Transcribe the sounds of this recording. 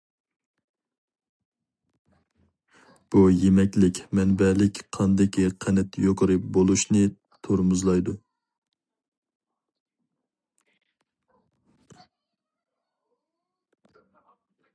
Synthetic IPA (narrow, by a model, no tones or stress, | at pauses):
b̥ujemɛkʲlɪkʲmɛnbɛlɪkʲqʰɑnd̪ɪkʲʰiqʰɛnɛt̪joqʰəɾɨp̚bolˠuʃnɨ | t̪ʰoɾmuzlˠɑjd̪u